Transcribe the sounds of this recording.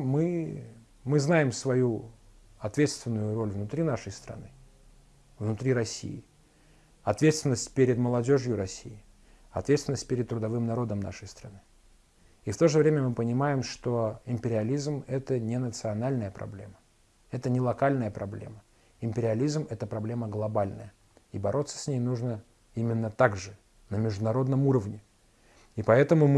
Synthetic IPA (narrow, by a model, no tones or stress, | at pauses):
mɨ | mɨznajɪmsvɐju | ɐt̪vʲe̞t̪st̪vʲɪnːʊjʊɾo̞lʲvnʊt̪ɾʲinaʂəjst̪ɾɐ̰nɨ | vnʊt̪ɾʲiɾɐsʲːḭjɪ | ɐt̪vʲe̞t̪st̪vʲɪnːəsʲtʲpʲeɾʲɪd̪məlˠɐdʲo̞ʐjʊɾɐsʲḭɪ | ɐt̪vʲet̪st̪vɪnəsʲt̚ʲpʲeɾʲɪd̪̚t̪ːɾʊd̪ɐvɨmnɐɾo̞d̪əmna̰ʂəjst̪ɾɐ̰nɨ | ift̪o̞ʐɨvɾʲemʲəmɨpənʲɪmajɪmʂt̪oɪmʲpʲɪɾʲɪɐlʲizmɛt̪ənʲɪnət̪sɨɐnalʲnəjəpɾɐ̰blʲḛmə | ɛt̪ənʲɪlˠɐkalʲnəjəpɾɐblʲe̞̰mə | ɪmʲpʲɪɾʲɪɐlʲizmɛt̪əpɾɐblʲe̞məɡlˠɐbalʲnə̰jə | ibɐɾʔo̞t̪sə̥sʲnʲejnuʐnə | imʲɪnːət̪aɡʐɨ | nəmʲɪʐd̪ʊnɐɾo̞d̪nəmuɾəvnʲɪ | ipɐɛt̪əmʊm